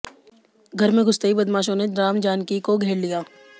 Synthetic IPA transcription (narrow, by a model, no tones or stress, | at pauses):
ɡʱɐɾmẽɡʱʊst̪eibɐd̪maːʃõnedɾaːmd͡ʒaːnkikoɡʱeːɽlijaː